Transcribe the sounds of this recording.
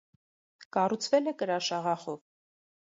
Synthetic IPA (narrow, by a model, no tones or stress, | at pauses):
kɑrut͡sʰvɛlɛkəɾɑʃɑʁɑχɔv